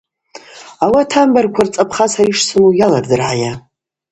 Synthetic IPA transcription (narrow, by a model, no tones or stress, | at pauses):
awatʰambarkʷʰart͡sʼapʰχasaɾiʂsʰɨmujalardɨrʕaja